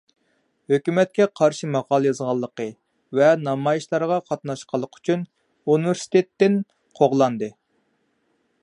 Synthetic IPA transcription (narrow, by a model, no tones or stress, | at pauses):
høkʲymɛt̪̚kʲɛqʰɑɾʃimɑʁɑlˠɨjɑzʁɑlˠːəqə | vɛnɑmɑjiʃlˠɑɾʁɑqʰɑt̪nɑʃqʰəlˠːəqʰy̥t͡ʃʰyn | univɪɾsi̥t̪ʰet̪ːɪn | qʰoʁlˠɑnd̪ɨ